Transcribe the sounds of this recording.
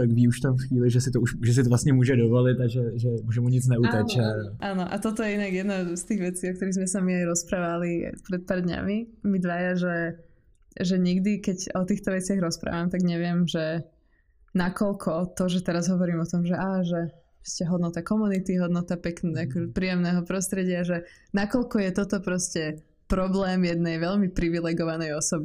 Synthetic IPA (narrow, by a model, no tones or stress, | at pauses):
t̪akviːuʃt̪amfxʋiːlɪʒɛsɪt̪ɔuʃʒɛs̬ɪt̪ɔvlast̪ɲɛmuːʒɛdɔʋɔlɪt̪aʒɛʒɛmuʒɛmuɲit͡snɛut̪at͡ʃɛʔaːnɔʔa̰t̪ɔt̪ɔjɛinaɡjɛd̪nast̪iːɣʋɛt͡siːɔk̚t̪ɔɾiɣzmɛsamiajɾɔspɾaːʋalḭpɾɛt̪̚paːɾd̪ɲa̰mimid̪ʋajaʒɛ | ʒɛɲiɡd̪ikɛɟɔt̪iːxt̪ɔʋɛt͡sɪaɣɾɔspɾa̰ːʋamt̪aɡɲɛʋɪɛmʒɛ | nakɔlkʰɔt̪ɔʒɛt̪ɛɾazɦɔʋɔɾimɔt̪ɔmʒɛʔaːʒɛ | ɔscɛɦɔd̪nɔt̪akɔmunit̪iɦɔd̪nɔt̪apɛknakɔɛpɾiːjɛmnɛɦɔpɾɔst̪ɾɛɟɪaʒɛnakɔʎkɔjɛt̪ɔt̪ɔpɾɔscɛ | pɾɔblɛːmjɛd̪nɛjʋɛʎmipɾiʋilɛɡɔʋanɛjɔsɔbi